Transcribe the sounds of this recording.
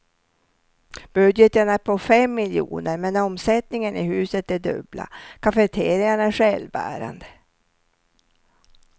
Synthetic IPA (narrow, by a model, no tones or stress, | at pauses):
b̥ɵd̪jət̪ənæɾpʰɔfɛmːɪljṵːnəɾmɛnɔmsɛt̪nɪŋənɪ̰ɦʉ̟ːsət̪æɖɵ̰bla̰kʰafɛt̪ʰeːɾɪŋaɳæʂɛlbæ̰ːɾa̰nd̪ə